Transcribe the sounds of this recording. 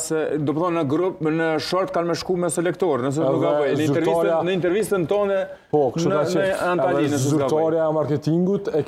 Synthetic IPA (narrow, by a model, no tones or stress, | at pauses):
sɛd̪ɔpθɔnːəɡɾupnəʃɔɾt̪̚kalmɛʃkumɛsɛlɛkt̪ɔɾnəs̬ɛnukɡabəjnəiɛɾinəint̪̬ɛɾvist̪ənt̪ɔnɛ | pɔkʃuanɛɛanainəsɡat̪ɔɾjaɛmaɾkɛt̪iŋɡut̪ɛ